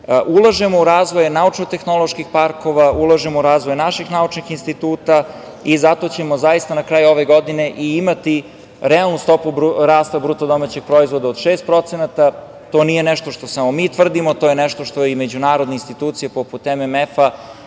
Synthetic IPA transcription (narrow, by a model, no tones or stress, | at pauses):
ʔulˠaʒemo̞uɾaːzʋo̞jnaut͡ʃnot̪e̞xno̞lˠo̞ʃkixpaɾko̞ʋaulˠaʒemouɾaːzʋo̞jnaʃixnaut͡ʃnixinst̪it̪uːt̪a | izat̪o̞t͡ɕe̞mo̞zaist̪anakɾaːjuo̞ʋe̞ɡo̞d̪ine̞ʔiimat̪i | ɾɛalˠnust̪o̞pubɾaːst̪abɾut̪od̪o̞mat͡ɕeɡ̥̚pɾo̞izʋo̞d̪aod̪ʃeːst̪̚pɾo̞t̪senat̪a | t̪o̞ːnije̞nɛʃt̪oʃt̪osamomiːt̪ʋr̩d̪imot̪ojenɛʃt̪o̞ʃt̪o̞ime̞d͡ʑunaːɾo̞d̪neinst̪it̪uːt̪sijepo̞put̪ememefa